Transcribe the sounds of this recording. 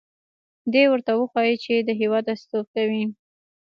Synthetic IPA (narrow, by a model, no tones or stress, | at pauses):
d̪ewəɾt̪awəxwɑjit͡ʃed̪əɦewɑd̪ast̪op̚kawi